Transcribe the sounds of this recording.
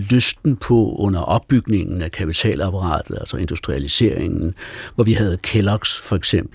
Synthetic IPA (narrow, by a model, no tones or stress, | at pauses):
løsd̥n̩pʰɒ̽ɔ̽n̰ɐʔɒ̽b̥ːyɡ̥ne̝ŋn̩ækʰæpʰit͡sʰɛ̰ːlɑpʰɑ̈ʁɑ̰̈ːd̥ð̩ˠælsɒe̝nd̥usd̥ʁiælise̝ɐ̰eŋn̩ʋɒʋihæð̞̩ˠkʰelɒɡ̥sfɒ̽eɡ̥sem̰b̥l̩